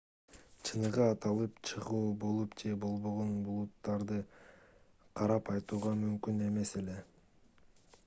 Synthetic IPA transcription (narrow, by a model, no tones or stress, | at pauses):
t͡ʃʰɯnɯʁɯɑt̪ɑlˠɯpt͡ʃʰɯʁuːbo̞lˠupd͡ʒe̞bo̞lˠβo̞ʁonbulˠut̪ːɑɾd̪ɯ | qʰɑɾɑpɑjt̪uːʁɑmymkyne̞me̞se̞le̞